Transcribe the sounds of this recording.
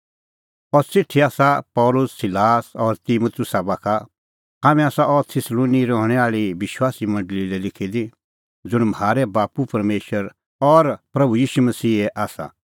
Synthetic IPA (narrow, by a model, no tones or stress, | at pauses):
ɔːɾt͡sɪʈʰːiaːsapɔːlʊsːɪlaːsɔːɾt̪imut̪ʰʊsabaːkʰa | ɦaːmɛ̃aːsaʔɔːɾt̪ʰɪsloːniɾɔɦɽ̃ɛaːɭiʋɪʃwaːsimɐ̃ɳɖlilɛlɪkʰid̪i | d͡zʊɽ̃maːɾɛbaːpupɐɾmeːʃəɾ | ɔːɾpɾɐbujiːʃumɐsiːɛʔaːsa̰